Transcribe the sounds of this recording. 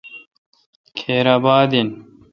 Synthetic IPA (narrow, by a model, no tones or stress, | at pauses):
kʰeːɾaːbaːd̪in